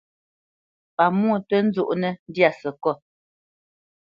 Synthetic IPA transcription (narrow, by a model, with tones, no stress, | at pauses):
pa˨mu˦˨twɛ˦n̩˦d͡zu˦ʔnɛ˦n˦dja˦˨sɛ˨kɔ˦˨